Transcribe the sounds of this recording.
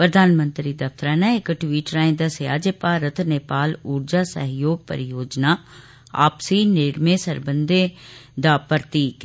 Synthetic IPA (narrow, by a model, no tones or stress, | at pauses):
pɾəd̪ʱaːnmə̃nt̪ɾid̪ɐft̪əɾaːnaekʈwiːʈɾaːẽd̪asja̰ːd͡ʒepaɾət̪ʰneːpaːluːɾd͡ʒaːsə̰ɦjoːɡ̚pə̰ɾɪjoːd͡ʒnaː | a̰ːpsiːneːɽmẽsəɾbə̃nd̪ʱed̪aːpəɾt̪iːk